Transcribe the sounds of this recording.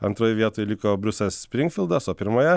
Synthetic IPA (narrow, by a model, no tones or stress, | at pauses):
ɐnt̪ɾoːjɪʋʲiɛt̪oːjɪlʲɪkoːbʲɾʲʊsʲɛlʲssʲpʲɾʲɪŋʲkfʲɪlˠd̪ɐsoːpʲɪɾmoːjɛ